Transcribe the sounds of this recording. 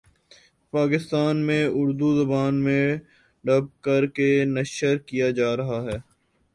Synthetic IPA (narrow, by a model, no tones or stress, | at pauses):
paːkɪst̪aːnmẽʊɾd̪uzɐbaːnmẽ | ɖɐb̚kɐɾkenɐʃəɾkijad͡ʒaːɾɐɦaɦɛː